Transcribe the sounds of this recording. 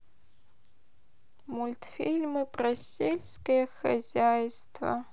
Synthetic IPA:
mulʲt̪ʰfilʲmɨpʼrɐselʲskɐjɐxɐ̰zʲajstʰvɐ̰

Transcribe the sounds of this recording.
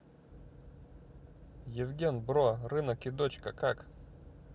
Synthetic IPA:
jɪvɡʲenbɾorɨnəkɪd̪ot͡ɕkəkak

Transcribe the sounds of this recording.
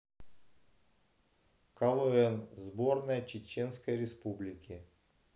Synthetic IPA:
kɐlˠɨɛnzbornəjət͡ɕɪt͡ɕenskəjɾʲɪspublʲɪkʲɪ

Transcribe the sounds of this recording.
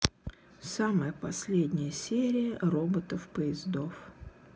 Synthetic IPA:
saməjəpɐsʲlʲed̪ʲnʲɪjəsʲeɾʲɪjərobət̪əfpəɪzd̪o̞f

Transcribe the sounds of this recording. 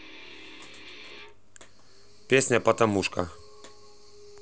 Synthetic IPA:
pjɛsnʲapat̪amuʃka

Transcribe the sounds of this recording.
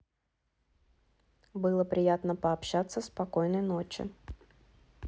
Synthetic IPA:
bɨlˠəpɾʲɪjat̪nəpəɐpɕat̪sːəspɐkojnəjno̞t͡ɕɪ̰

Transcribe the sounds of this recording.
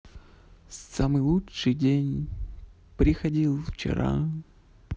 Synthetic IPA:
samɨjlˠuʂɨjdʲenʲ | pɾʲɪxɐdʲilˠft͡ɕɪ̰ɾa̰

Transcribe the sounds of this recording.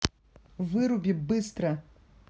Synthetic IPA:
vɨɾubʲibɨst̪ɾɐ

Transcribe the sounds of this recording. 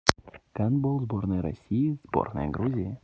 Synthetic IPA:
kanbolˠzbo̞rnɨjɾɐ̰sʲːijɪzbo̰rnə̰jə̰ɡɾuzʲɪjə

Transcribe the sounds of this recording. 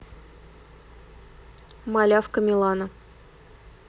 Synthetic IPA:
malʲafkəmʲɪlˠɑnə

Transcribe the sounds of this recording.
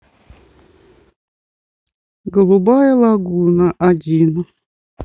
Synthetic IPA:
ɡəlˠubajəlˠaɡunaʔadʲin

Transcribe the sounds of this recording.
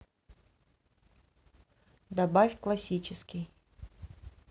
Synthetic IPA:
d̪ɐbafʲklˠɐsʲit͡ɕɪskʲɪj

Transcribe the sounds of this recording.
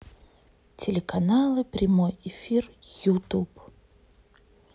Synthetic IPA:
tʲɪlʲɪkɐnalˠɨpɾʲɪmojɪfʲir | jut̪up

